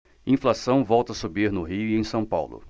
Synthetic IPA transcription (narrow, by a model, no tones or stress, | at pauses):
ĩflasɐ̃w̃vɔwt̪ɐasubiɾnʊɦiʊiẽj̃sɐ̃w̃pawlʊ̰